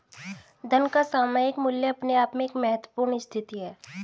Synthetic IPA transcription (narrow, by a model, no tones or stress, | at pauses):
d̪ʱɐnkasaːmaːjɪkmʊljəɐpneaːpmẽːkmɛɦət̪wəpuːɾɳɪst̪ʰɪt̪iɦɛː